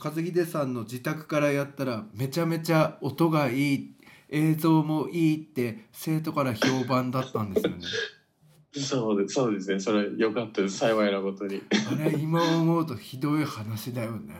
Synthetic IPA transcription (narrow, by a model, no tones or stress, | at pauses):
kazɨɡʲid̪e̞sãnːo̞d͡ʑit̪akɯ̟̥kaɾajat̪ːaɾame̞t͡ɕame̞t͡ɕao̞t̪o̞ɡaiːe̞ːzo̞ːmo̞ʔiːt̪ːe̞se̞ːt̪o̞kaɾaço̞ːbãnd̪at̪ːãnd̪e̞sɨjo̞̰ne | soːd̪esoːd̪e̞sɨne̞so̞ɾejo̞kat̪ːad̪esaiβainaɡo̞t̪o̞ɲiaɾe̞imaomo̞ɯt̪o̞çid̪o̞ihanaɕid̪ajo̞ne̞̰